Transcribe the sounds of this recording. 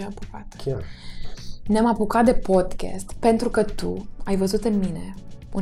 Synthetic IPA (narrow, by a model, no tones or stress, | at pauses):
ampukat̪ | neamapukat̪̚d̪e̞po̞d̪kʲḛst̪pe̞nt̪ɾukət̪ṵajvəzut̪ɨnmine̞u